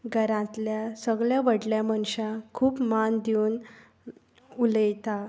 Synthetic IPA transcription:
ɡʱəɾãt̪ljasəɡɭjaʋəɽljaməɳɕakʰuːpmand̪iuːn | uləjt̪a

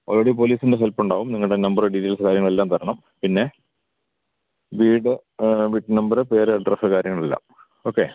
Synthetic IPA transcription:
oːrːeɽipoːliːsindeɦelpːuɳɖaːʋumniŋːɐɭɽenɐmbɐrɖiʈːeːlsɨkaːɾjɐŋːɐɭelːaːmt̪ʰɐɾɐɳɐm | pinːe̞ | ʋiːɽɨ | ʋiʈːɨnɐmbɐɾɨpe̞ːɾɨɐɖrɐsɨkaːɾjɐŋːɐɭelːa̰ːm | o̞ːkːe̞̰

